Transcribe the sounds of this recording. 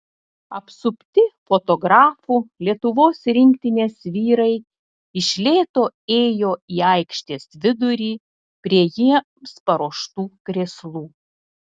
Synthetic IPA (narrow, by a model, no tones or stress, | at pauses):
ɐpsʊpʲt̪ʲɪfot̪ɔɡɾɑːfuːlʲiɛt̪ʊʋoːsɾʲɪŋʲkt̪ʲɪnʲeːsʋʲiːɾɐɪ | ɪʃʲlʲeːt̪oːeːjoːiːɐɪkʃʲt̪ʲeːsʋʲɪd̪ʊɾʲiː | pʲɾʲiɛjiɛ | spɐɾoːʃt̪uːkɾʲeslˠuː